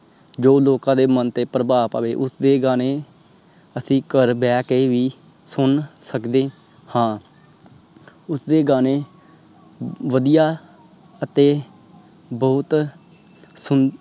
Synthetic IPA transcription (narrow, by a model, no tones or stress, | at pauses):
d͡ʒoːloːkãːd̪eːmənt̪eːpɾəbaːpa̰ːʋeːʔʊsd̪eːɡaːneː | əsĩːkəɾbɛːkeːʋiː | sʊnsəkd̪eː | hãː | ʊsd̪eːɡaːneː | ʋəd̪ijaː | ət̪eː | bəʊt̪ | sʊn